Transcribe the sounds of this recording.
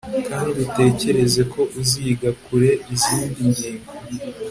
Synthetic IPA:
kaːndiute̞ːce̞ɾe̞ze̞kʰo̞ʔuziːɡakuɾe̞ʔiziːndimɟiːŋɡo

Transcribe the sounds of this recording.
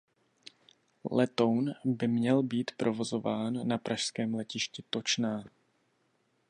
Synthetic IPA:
lɛt̪o̞wnbɪmɲɛlbiːt̪pɾʔo̞vo̞zo̞vaːnːapɾʔaʃskɛːmlɛcɪʃcɪt̪o̞t͡ʃnaː

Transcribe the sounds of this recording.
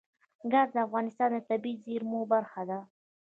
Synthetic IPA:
ɡazd̪əafɣɑnɪst̪ɑnd̪ət̪abizeɾmobaɾxad̪a

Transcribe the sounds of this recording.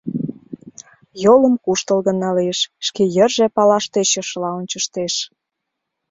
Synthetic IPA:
jolə̆mkuʃt̪əlɣə̆nːɑlieʃʃkejərʒepɑlɑʃt̪eʃəʃəlɑonʲt͡ɕəʃt̪eʃ

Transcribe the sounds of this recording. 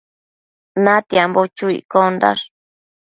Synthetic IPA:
nat̪iambot͡ʃuḭkond̪a̰ʂ

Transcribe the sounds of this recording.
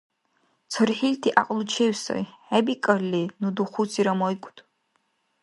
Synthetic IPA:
t͡sʰɨrħiltʰiʔa̰qʼlut͡ʃʰeɥsa̰jħabikʼɐrlinuduχut͡sʰiɾamojkʷʼtʼ

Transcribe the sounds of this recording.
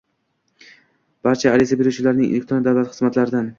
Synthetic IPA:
b̥aɾt͡ʃʰaːlɪzabe̞ɾuwt͡ʃʰɪlaɾnɪŋḛlek̚t̪ʰɾɔnd̪awlat̪χɨzmat̪laɾɪd̪an

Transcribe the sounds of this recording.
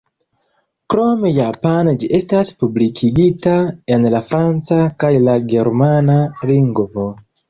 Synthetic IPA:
kɾo̞mejapand͡ʒiʔe̞staspublikʰiɡitaenlafɾant͡sakajlaɡeɾmanaliŋɡvo

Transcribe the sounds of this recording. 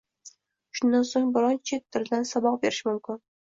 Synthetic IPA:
ʃʊnd̪ansoŋbɪɾɒnt͡ʃʰet̪ʰːʊɾd̪ansabɒq̚beɾɪʃmʊmkʲʰɪn

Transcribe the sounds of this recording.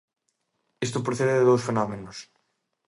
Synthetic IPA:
ist̪opɾoθeðeðɪðowsfenɔmenʊs

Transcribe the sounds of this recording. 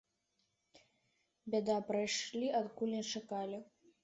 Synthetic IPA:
bʲad̪apɾajʂlʲiʔɐt̪kulʲnʲɛt͡ʂakalʲi

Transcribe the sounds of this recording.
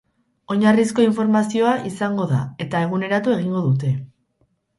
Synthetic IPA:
o̞ɲarisko̞iɱfo̞ɾmasio̞aʔisaŋɡo̞ða̰e̞t̪ae̞ɣ̞une̞ɾat̪ue̞ɣ̞iŋɡo̞ðut̪e̞

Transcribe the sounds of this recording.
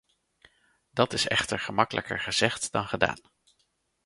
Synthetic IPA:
d̥ɑtɪsɛ̰χtəɹχəmɑkəlʔə̰kə̰ɹχəz̥ɛχtdɑnχəda̰ːn

